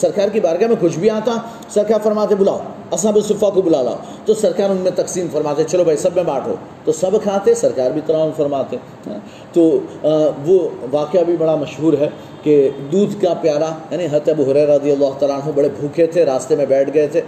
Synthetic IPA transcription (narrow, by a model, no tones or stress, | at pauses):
sɐɾkaːɾkibaːɾɡamẽkʊt͡ʃʰbʱiaːt̪a | sɐɾkaːɾfɐɾmaːt̪̬ẽbʊla̰ːo̰ | ɐs̬ãbɪsʊfakobʊlaːla̰ːo | t̪osɐɾkaːɾʊnmẽt̪ɐksiːmfɐɾmaːt̪et͡ʃɐlobʱɐisɐbmẽbaːʈʰo̰ː | t̪osɐbkʰaːt̪eesɐɾkaːɾbʱit̪ɐɾaːnfɐɾmaːt̪ẽ | t̪oː | ʋoʋaːkɪjabʱibɐɽamɐʃɦuːɾɦɛː | ked̪uːd̪ʱkapjaːɾajaːnĩɦɐt̪ɐbuɦʊɾɛːɾaːɐd̪ijɐlːaːɦʊt̪aːlaːnɦubɐɽebʱuːket̪ʰeɾaːst̪emẽbɛːʈʰɡɐet̪ʰeː